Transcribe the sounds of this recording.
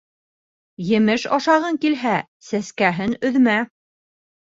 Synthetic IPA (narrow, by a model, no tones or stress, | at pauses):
jɘ̆mɘʃɑʃɑʁɤŋkilɦæ | sæskæɦɘnɵ̆ðmæ